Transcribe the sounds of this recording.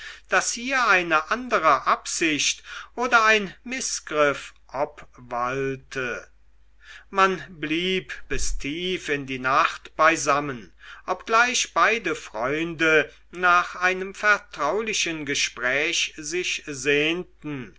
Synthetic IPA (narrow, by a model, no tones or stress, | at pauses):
d̥ashiːɐaɪnəʔandəʁəʔapz̥ɪʃtʔoːdɐaɪnmɪsɡ̥ʁɪfʔapvaltʰə | manbliːpb̥ɪstʰiːfɪndiːnaχtb̥aɪzamənʔɔpɡ̥laɪʃb̥aɪdəfʁ̥ɔʏndə | naːχʔaɪnəmfɛɐtʁ̥aʊlɪʃənɡəʃpʁ̥ɛːʃzɪʃzeːntn̩